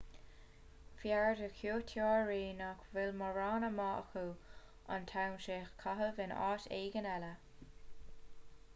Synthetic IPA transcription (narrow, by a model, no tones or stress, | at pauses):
fjaɹdəkʰjuːtʰjɑːɹɹiːnakvɪlməɹɑːnəmɑːʔə̰xuː | a̰ntʰawnʃeːxkʰaɦəvɪnɑ̰ːtḛːɡənɛlə